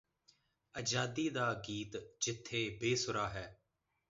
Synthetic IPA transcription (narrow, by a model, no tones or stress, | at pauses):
əd͡ʒaːd̪iːd̪aːɡiːt̪d͡ʒɪt̪ʰːeːbeːsʊɾaːɦɛː